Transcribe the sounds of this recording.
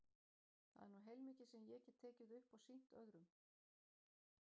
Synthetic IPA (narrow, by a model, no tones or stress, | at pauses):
θa̰ðɛ̰ɾnuɦɛjlmiːcɪ̥sɛmjɛcɛt̪ʰɛːcɪðʏhpawsin̥t̪œɣɾʏm